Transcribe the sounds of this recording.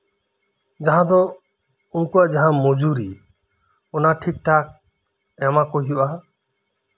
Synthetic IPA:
d͡ʒaɦãd̪ɔ | unkuaʔd͡ʒaɦãmɔd͡ʒuɾi | ɔnaʈʰik̚ʈʰak̚ | ɛmakoɦijuʔa

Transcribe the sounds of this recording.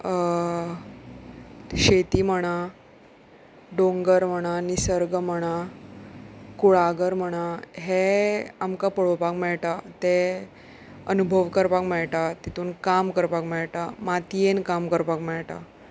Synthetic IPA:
ɕet̪iːm̤əɽ̃a | ɖoŋɡəɾm̤əɽ̃anisəɾɡəm̤əɽ̃a | kuɭaɡəɾm̤əɽ̃aɦeamkapəɭopakmɛɭʈat̪e | ənubʱəʋkəɾpakmɛɭʈat̪it̪uːnkamkəɾpakmɛɭʈamat̪ijenkamkəɾpakmɛɭʈa̰

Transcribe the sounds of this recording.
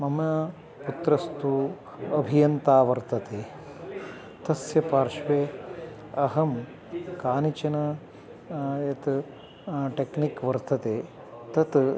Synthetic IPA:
mɐmɐɐ | put̪ɾɐst̪u | ɐbʱijɐnt̪aːʋɐɾt̪ɐt̪eː | t̪ɐsjɐpaːɾʃʋeː | ɐɦɐm | kaːnit͡ʃɐnɐ | ɐt̪ | ʈeknikʋɐɾt̪ɐt̪eː | t̪ɐt̪

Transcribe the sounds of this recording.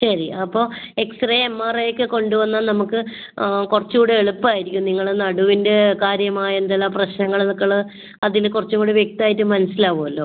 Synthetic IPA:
ɕɐɾiɐpːo̞ːe̞ksrɐjemːaːrejkːɨko̞ɳɖuʋɐnːanɐmukːɨ | kurɐt͡ɕːuːɽeeɭupːaːjiɾikʲːumniŋːɐɭnɐɽuʋinde̞kaːɾjɐmaːjɐend̪elːaːprɐɕnɐŋːɐɭnukːɐɭɨ | ɐðinɨkurɐt͡ɕːukːuːɽeʋje̞k̚t̪iaːjitːumɐnɐsːilaːʋoːɐlːo̞ː

